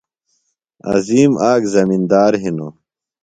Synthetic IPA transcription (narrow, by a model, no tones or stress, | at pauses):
ɐ̰ziːmaːɡzɐmind̪aːɾɦino̰